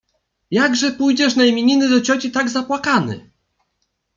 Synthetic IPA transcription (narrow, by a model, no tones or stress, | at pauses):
jaɡʐɛpujd͡ʑɛʂnajmʲeɲinɘd̪ɔt͡ɕɔt͡ɕit̪aɡzapwakanɘ̰